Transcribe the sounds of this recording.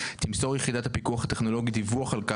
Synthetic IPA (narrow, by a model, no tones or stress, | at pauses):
t̪imsoʁjeχid̪at̪hapikuaχhat̪eχno̞lo̞ɡid̪ivuaχalka